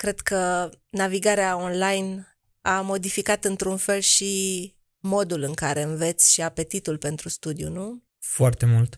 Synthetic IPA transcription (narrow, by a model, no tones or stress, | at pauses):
kɾe̞d̪kənaviɡaɾeao̞nlajn | amo̞d̪ifikat̪ɨnt̪ɾunfe̞lʃi | mo̞d̪ulɨŋkaɾe̞ɨnve̞t̪sʲʃiape̞t̪it̪ulpe̞nt̪ɾust̪ud̪iṵnu | foart̪e̞mult̪